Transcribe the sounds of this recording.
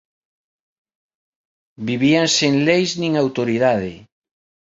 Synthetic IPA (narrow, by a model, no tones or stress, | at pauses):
biβiaŋseŋlejznĩŋawt̪oɾiðaðɪ̰